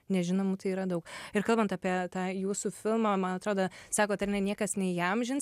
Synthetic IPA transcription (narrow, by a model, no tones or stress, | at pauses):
nʲɛʒʲɪnoːmut̪ɐɪiːɾɐd̪ɐʊkɪrkɐlˠbɐnt̪ɑːpʲiɛt̪ɑːjuːsuːfʲɪlˠmɑːmɐnɐt̪ɾoːd̪oːsɑːkoːt̪ɐɾʲnʲɛnʲiɛkɐsnʲɛɪjɐmʒʲɪns